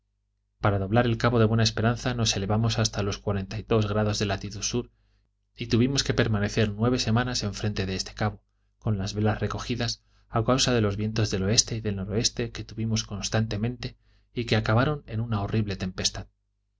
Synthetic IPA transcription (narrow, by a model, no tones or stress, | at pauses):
paɾaðo̞β̞laɾe̞lkaβo̞ðe̞βwe̞nae̞spe̞ɾanθano̞se̞le̞βamo̞sast̪alo̞skwaɾe̞nt̪ajðo̞zɣ̞ɾaðo̞zðe̞lat̪iðusuɾ | it̪uβimo̞ske̞pe̞ɾmane̞θe̞ɾnwe̞β̞e̞se̞mãnase̞ɱfɾe̞nt̪e̞ðe̞est̪ʰe̥kaβo̞ | ko̞nlazβe̞lasre̞ko̞xiðas | akawsaðe̞lo̞zβje̞nt̪o̞zðe̞lo̞e̞st̪e̞iðe̞lno̞ɾo̞e̞st̪e̞ke̞t̪uβimo̞sko̞nst̪ant̪e̞mẽ̞nt̪e̞ | ikeakaβ̞aɾo̞ne̞nunao̞riβle̞t̪e̞mpe̞st̪að